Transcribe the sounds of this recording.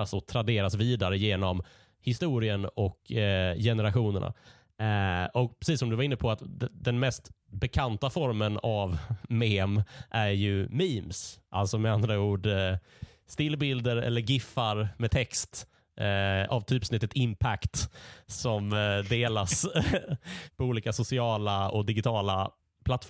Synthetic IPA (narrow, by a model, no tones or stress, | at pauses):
asɔt̪ʰɾad̪eːɾasviːd̪aɾəjeːnɔm | hɪst̪uːɾɪənɔkjɛnəɾaɧuːnə̰ɳa̰ | ɔk̚pʰɾɛsiːsːɔmd̪ɵvaɾɪnːəpʰɔat̪d̪ɛnmɛst̪bɛkʰant̪afɔɾmənavmeːmʔæɾjɵmiːmsʔa̰lt̪sɔmɛand̪ɾauːɖ | st̪ɪlbɪld̪əɾɛ̰lːəɾɡɪfːaɾmɛt̪ʰɛkst̪ | a̰vt̪ʰyːpsnɪt̪ːət̪ɪmpʰækt̪sɔmd̪eːlas | pʰɔuːliːkasʊsɪɑːlaɔkd̪ɪɡɪt̪ʰɑːla | pʰlat̪ːf